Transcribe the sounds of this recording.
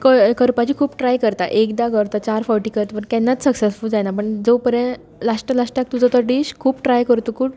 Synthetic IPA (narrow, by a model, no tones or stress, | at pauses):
kəkəɾpat͡ɕikʰuːpʈɾajkəɾt̪a̰ʔekd̪akəɾt̪at͡ɕaɾfɔɾʈikəɾt̪pəɳk̪ɛ̃nːat͡ssəksesfuld͡zanapəɳd͡zopəɾə̃ | laʂʈəlaʂʈak̚t̪ud͡zɔt̪əɾʈiːɕkʰuːpʈɾajkəɾt̪ukʰuːʈ